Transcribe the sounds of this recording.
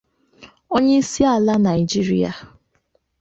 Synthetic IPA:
o˦ɲe˦i˦si˦a˨la˦na˨ɪ˨d͡ʒi˦ɾḭ˦a̰˨

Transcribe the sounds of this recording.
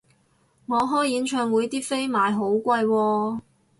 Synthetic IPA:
ŋɔː˨˧ɦɔː˥jːiː˨˥nt͡ʃʰœː˧ŋwuː˨˧jt̪iː˥fe˥jmaː˨jɦo˨˥wkʷɐ˧jwɔː˧

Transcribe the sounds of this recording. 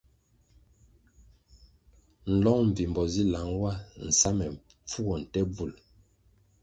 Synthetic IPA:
n̩˨lɔ˦ŋm̩˨vi˨m˨bɔ˨zi˦la˨ŋwa˦n̩˨sa˦mɛ˨ | p͡fu˦ɡɔ˨n̩˨tɛ˦b͡vu˨l

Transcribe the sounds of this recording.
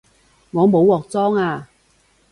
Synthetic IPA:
ŋɔː˨˧mo˨˧wːɔː˨k̚t͡sɔː˥ŋaː˧

